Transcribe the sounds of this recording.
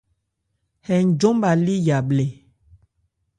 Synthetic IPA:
hɛ˨n˨d͡ʒo˦mba˨li˦ja˨ble˨

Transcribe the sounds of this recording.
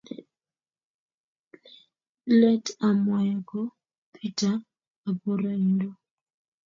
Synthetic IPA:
lɛ˦ta˨ma˨ja˨ɡɔ˦ | pʰi˦taː˦˨ | bo˨ɾa˦˨indo˦

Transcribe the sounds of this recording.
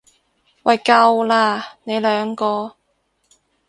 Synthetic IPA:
wɐ˨˩jkɐ˧wlaː˧ne˨˧jlœː˨˧ŋkɔː˧

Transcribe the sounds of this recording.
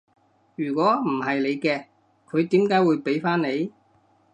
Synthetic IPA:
jyː˨˩kʷɔː˨˥m̩˨˩hɐ˨jle˨˧jkɛː˧ | kʰɵ˨˧ɥt̪iː˨˥mkaː˨˥jwuː˨˧jpe˨˥jfaː˥nle˨˧j

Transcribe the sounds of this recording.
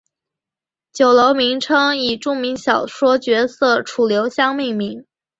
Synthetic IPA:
t͡ɕjo˨˩ʊlo˧˥ʊmi˧˥ŋʈ͡ʂʰɤ˥ŋi˨˩ʈ͡ʂu˥˩mi˧˥ŋɕjɑ˨˩ʊʂwɔ˥t͡ɕɥɛ˧˥sɤ˥˩ʈ͡ʂʰu˨˩ljo˧˥ʊɕjɑ˥ŋmi˥˩ŋmi˧˥ŋ

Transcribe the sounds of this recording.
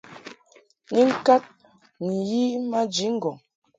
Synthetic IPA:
ŋi˦ŋ̩˦ka˦t̚ | ni˨ji˦ma˦d͡ʒi˨˦ŋ̩˦ɡɔ˨ŋ

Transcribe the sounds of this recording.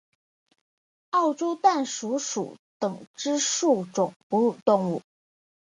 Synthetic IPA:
ɑ˥˩ʊʈ͡ʂɔ˥ʊt̪a˥˩nʂu˧˥ʂṵ˨˩˦t̪ɤ˨˩ŋʈ͡ʂɻ̩˥ʂu˥˩ʈ͡ʂʊ˨˩ŋpu˧˥˨t̪ʊ˥˧ŋu˥˩

